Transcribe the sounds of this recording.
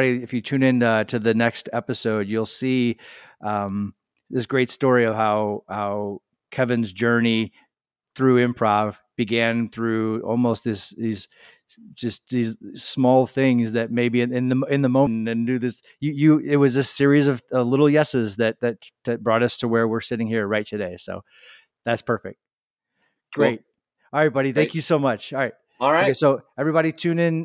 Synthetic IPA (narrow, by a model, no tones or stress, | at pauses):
ɾiɨfjɨtʰʉ̃nɪ̃nʌtʰɨðɨnɛkstɛpɨsoʊdjɨlˠsiʔʌ̃m | ðɪsɡ̥ɹeɪtstɔɹiʌv̥haʊhaʊ | kʰɛvɨ̃nzd͡ʒɜ˞ni | θɹʉɪ̃mpʰɹ̥ɑv̥ | b̥ɨɡæ̃nθɹʉɔ̰lˠmoʊst̚ðɪsðiz̥ | d͡ʒ̥ʌst̚ðizsmɔlˠθɪ̃ŋzðɨt̚meɪbiɨ̃nɨ̃nðɨɪ̃nðəmõʊ̃nɨ̃ndɨðɪs | jɨjɨɪt̚wʌzɨsɪɹizʌv̥ʌvlɪɾl̩ˠjɛsɨzðɨt̪̚ðɨt̚ɨb̥ɹɔɾʌstʰəwə˞wɪɹsɪɾɪ̃ŋhiɹɹaɪtʰɨdeɪsoʊ | ðætspʰɜ˞fɪ̰k̚t̚ | ɡ̥ɹɹeɪt̚ˠ | b̥ɑɾiθæ̃ŋkʰjɨsoʊmʌt͡ʃˠɹaɪt̚ | ɹsoʊɛvɹibɑɾitʰʉ̃nɪ̃n